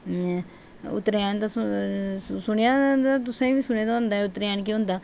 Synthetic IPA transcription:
ʊ̰t̪ːɾeaːnt̪as | sʊɳejaːat̪̬ʊsẽːbiːsʊɽ̃eːd̪aʊ̃ːnd̪aːɛʊt̪ɾeaːnk̬iɦõːnd̪aː

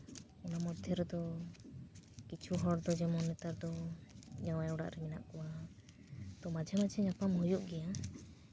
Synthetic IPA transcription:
ɔnamɔd̪ʱjɔɾɔd̪ɔ | kit͡ʃʰuɦɔɽd̪ɔd͡ʒɛmɔnɛt̪aɾd̪ɔd͡ʒaw̃awɽa̰ʔɾɛmina̰ʔkɔwa | t̪ɔmad͡ʒʱɛmad͡ʒʱɛɲapamɦujuʔɡɛja

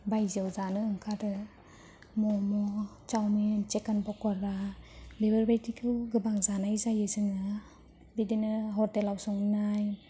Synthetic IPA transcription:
bajziawzanɯɯŋkʰadɯ | mɔmɔ | t͡ʃawmint͡ʃekanbɔkɔɾabebɯɾbajtikʰɯwɡɯbaŋzanajzajɯzɯŋɯ | bidinɯɦɔɾtelawsɔŋnaj

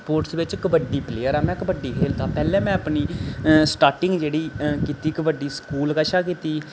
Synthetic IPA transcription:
poːɾʈsʋɪt͡ʃɪkbəɖiːpleːəɾaːmɛ̃ːkbəɖːiːkʰeːlt̪aːpɛːlɛ̃ːmɛ̃ːəpniːsʈaːɾʈɪ̃ŋɡd͡ʒeːɽiːkiːt̪iːkbəɖiːskuːlkəʃaːk̬iːt̪iː

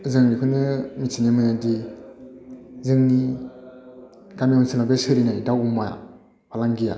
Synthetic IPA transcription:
zəŋnikunəmit͡ʃiɲemənadi | zəŋni | kamiunsilabesəɾinaidawumaja̰ | palaŋɡija̰

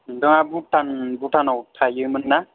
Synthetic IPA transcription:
dɯŋabutʰanbutʰanɔwtʰajɯmɯnːa

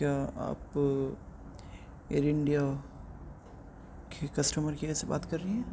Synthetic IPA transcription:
kjaːa̰ːp | eɾɪɳɖija | kʰekɐsʈəməɾkeɛːseba̰ːt̪kɐɾːɐiɦɛ̃

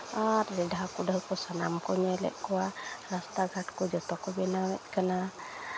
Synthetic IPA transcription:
atlɛdaɦakudaɦkɔsana̰mkuɲɛlɛ̰ʔkuaɾast̪aɡʱaʈkud͡ʒɔt̪ɔkɔbɛnawɛt̪̚kana

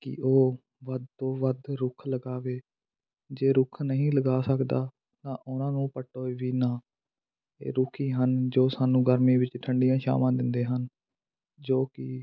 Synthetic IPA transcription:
kɪ̰oː | ʋəd̪oːʋəd̪ɾʊkʰləɡaːʋeː | d͡ʒeːɾʊkʰnəɦĩːləɡaːsəkd̪aː | t̪ãːʔʊnãːnũːpəʈːoːeːʋiːnãː | ḛːɾʊkʰiːɦənd͡ʒoːsaːnũːɡəɾmĩːʋɪt͡ʃʈʰəɳɖɪjãːʃa̰ːmãːd̪ɪnd̪eːɦən | d͡ʒoːkɪ

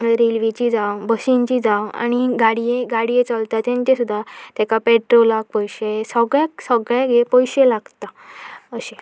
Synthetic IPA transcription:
ɾelʋit͡ɕid͡zawbəɕiɲt͡ɕiːd͡zawa̰ñiɡaɽijeɡaɽijet͡səlt̪at̪ãɲt͡ɕesud̪ʱːat̪jɛkapeʈɾolak̚pɔjɕesəɡɭjaksəɡɭaɡepɔjɕelaɡt̪aəɕe

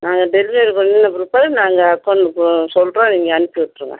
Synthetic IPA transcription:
naːŋɡɐɖɛlmeɾɯkːɯɾɐnenɐbɾɯpːaːðɯnaːŋɡɐkːɔɳɖɯksɔlʈɾõːniːŋɡɐːnɯpːɯkɪʈːɾɯŋɡɐ̰

